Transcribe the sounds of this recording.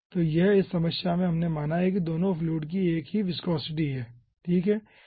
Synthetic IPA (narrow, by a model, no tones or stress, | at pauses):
t̪oːjɛɦɪsːɐməʃjamẽɦɐmnemaːnaɦɛk̬id̪oːnõfluːʈk̬ieːkɦiʋɪskɔːsɪʈ̬iɦɛː | ʈʰiːkɦɛː